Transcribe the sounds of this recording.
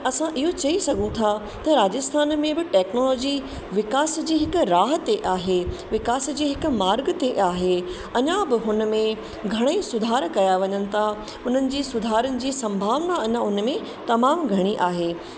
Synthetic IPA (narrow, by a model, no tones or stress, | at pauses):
ɐsãʔɪɦot͡ɕɐisɐɡʱũt̪ʰa | t̪ɐɾaːd͡ʑəst̪ʰaːnmẽbɪʈɛːknoːlɔːd͡ʑi | ʋɪkaːsd͡ʑiːɦɪkʊɾaːɦət̪eʔaːɦeʋɪkaːsd͡ʑiːɦɪkʊ̆maːɾɡt̪eʔaːɦe | ɐɲãbɪɦʊnə̆mẽ | ɡʱɐɽ̃esʊd̪ʱaːɾkɐjaʋɐɲənɪ̆t̪ʰa | ʊn̤ənɪ̆d͡ʑiːsʊd̪ʱaːɾənɪ̆d͡ʑiːsɐ̃mbʱaːʋnaɐɲãʊnəmẽ | t̪ɐmaːmɡʱɐɽ̃iʔaːɦeː